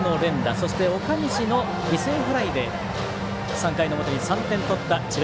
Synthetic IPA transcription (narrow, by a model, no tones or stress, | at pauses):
no̞ɾẽ̞nd̪aso̞ɕi̥t̪e̞o̞kaɲ̟iɕino̞ | ɡʲise̞ːɸɯ̟ɾaid̪e̞ | sãŋkaino̞mot̪o̞ɲ̟isãnt̪ẽ̞nt̪o̞t̪ːat͡ɕib